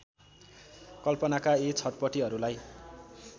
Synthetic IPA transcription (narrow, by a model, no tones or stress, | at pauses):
kʌlpʌnakaet͡sʰʌʈpʌʈiɦʌɾulaj